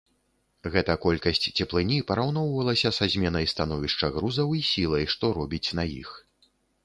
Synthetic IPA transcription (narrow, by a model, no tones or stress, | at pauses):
ɣɛt̪ɐkɔlʲkɐsʲt͡sʲt͡sʲɛplˠɨnʲipɐɾawn̪ɔwvɐlˠɐsʲɐsazʲmʲɛnɐjst̪an̪ɔvʲiʂt͡ʂɐɣɾuzɐwisʲilˠɐjʂt̪ɔɾɔbʲit͡sʲnɐjḭx